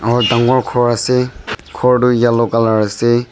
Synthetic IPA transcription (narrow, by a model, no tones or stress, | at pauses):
aɹtaŋɡɔɹkʰɔɹasɛkʰɔɹdujalɔkalaɹasɛ